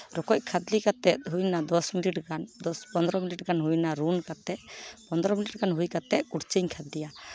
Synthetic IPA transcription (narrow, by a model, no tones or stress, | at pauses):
ɾɔkɔc̚kʰad̪likat̪ɛt̪̚ɦujnad̪ɔsmiliʈɡand̪ɔspɔnd̪ɾɔmiliʈɡanɦujnaɾunkat̪ɛʔ̪pɔnd̪ɾɔmiliʈɡanɦujkat̪ɛkuɽt͡ʃiɲkʰad̪lija